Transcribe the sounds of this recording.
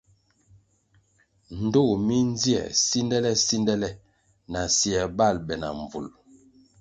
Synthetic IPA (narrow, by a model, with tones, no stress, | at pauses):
n̩˨do˦˨mi˦n˦zi˦ɛ̰˨si˦ndɛ˦lɛ˦si˦ndɛ˦lɛ˦ | na˨si˨ɛ˨ba˦˨lbɛ˨na̰˨ɱ˨vṵ˨l